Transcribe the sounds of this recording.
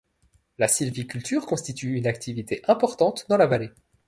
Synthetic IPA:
lasilvikʲylt̪yːʁkɔ̃st̪it̪ʰyynakt̪ʰivit̪eʔɛ̃pɔʁt̪ɑ̃t̪d̪ɑ̃lavale

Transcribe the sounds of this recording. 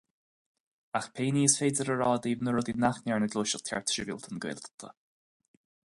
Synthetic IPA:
axpʰeːniːəsfeːdəɾəɹɑːd̪iːvnəɹʊd̪inaxnɛɹnəɡloːʃəlt̪ʰɛ̰ɹt̪ʰɾɪvḭlˠt̪ʰənɡwḛlt̪t̪ʰə̰

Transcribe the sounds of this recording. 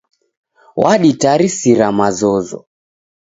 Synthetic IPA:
waɗitaɾisiɾamazɔzɔ̰

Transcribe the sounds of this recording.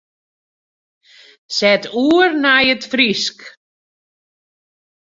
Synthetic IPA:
sɛtuːərnajətfrisk

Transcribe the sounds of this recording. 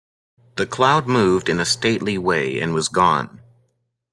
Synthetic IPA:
ðɨkʰl̥aʊd̚muvdɨ̃nɨsteɪʔˡliweɪɨ̰̃nwʌzɡɔ̰̃n

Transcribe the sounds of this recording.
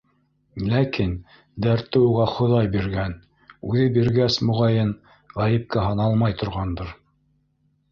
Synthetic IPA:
lækin | d̪æɾt̪ːɘuʁɑχŏðɑjbiɾɡæn | ʉðɘbiɾɡæsmŏʁɑjɤn | ʁæjɘ̆p̚kæɦɑnɑlˠmɑjt̪ʰŏɾʁɑnd̪ɤɾ

